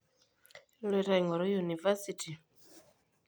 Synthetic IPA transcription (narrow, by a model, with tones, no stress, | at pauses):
lɛɾa˨iŋɔ˨ɾɔ˦juniva˦siti˨